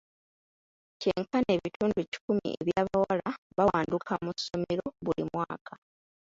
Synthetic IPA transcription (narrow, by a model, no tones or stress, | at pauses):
ce̞ːŋkane̞ːβitʰuːnduci̥kumḭʔḛβjaːβawalaβawaːndukʰamusːo̞me̞ɾo̞βulimwaːkʰa